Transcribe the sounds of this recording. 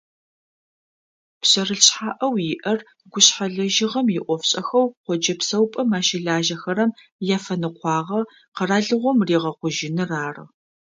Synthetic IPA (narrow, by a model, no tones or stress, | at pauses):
pɕɐrɨɬɕħaːʔɐwjɪʔɐr | ɡʷʊɕħaɮɐʒɪʁɐmjɪʔʷɔfɕʼɐxɐwqʷɔd͡ʒɐpsɐwpʼɐmaːʃɪɮaːʒɐxɐɾɐm | jaːfɐnɨqʷɑːʁɐ | qɐraːɮɨʁʷɔmriːʁɐqʷʊʒɪnɨraːrɨ̰